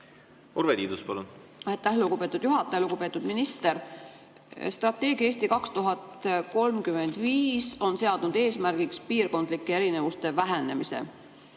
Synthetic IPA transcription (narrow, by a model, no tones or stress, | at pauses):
oɾvet̪iːd̪uspɑlun | ɑjt̪ːæhluɡ̥ube̞ːt̪ːˑud̪̥juɦɑt̪ːˑejluɡ̥ube̞ːt̪ːˑud̪̥minist̪eɾ | st̪rɑt̪ːˑe̞ːɡ̥jieːst̪ikɑkst̪uɦɑt̪ko̞lmkyme̞nd̪̥viːso̞nse̞ɑd̪̥nud̪̥e̞ːsmæɾɡ̥ikspiːrko̞nd̪̥likːee̞ɾine̞vust̪e̞væɦene̞mise̞̰